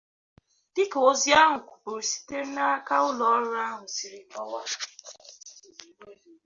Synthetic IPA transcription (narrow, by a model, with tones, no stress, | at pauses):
dɪ˦ko˨˦zi˦a˦ɦʊ˨kʷu̥˨pu˨ɾi˨si̥˦te˦ɾ̩˦na˦a˦ka˦ʊ˦lɔ˨ɔ˦ɾa˦ɦʊ˨si˨ɾi˨mɔ˦wa˦